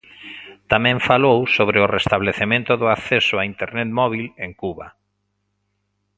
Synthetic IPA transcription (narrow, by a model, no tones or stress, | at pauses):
t̪amɛ̃ɱfalowsoβɾeʊrest̪aβleθemẽnt̪ʊðʊaθesʊaint̪eɾnet̪mɔβileŋkuβa